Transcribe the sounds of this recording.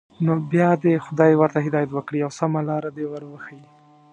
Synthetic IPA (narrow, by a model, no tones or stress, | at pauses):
nobjɑd̪exʊd̪ɑjwəɾt̪aɦɪd̪ɑjat̪wəkɽiawsamalɑɾad̪ewəɾwəxaji